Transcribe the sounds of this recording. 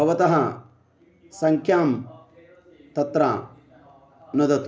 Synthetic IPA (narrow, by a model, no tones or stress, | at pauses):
ɐʋɐt̪ɐɦɐ | sɐŋkʰjaːm | t̪ɐt̪ɾaː | nɐd̪ɐt̪